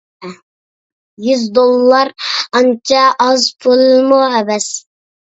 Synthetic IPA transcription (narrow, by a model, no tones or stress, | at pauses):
jyzd̪olˠːɑɾɑnt͡ʃʰɑʔːzbʰolˠmuɛbɛs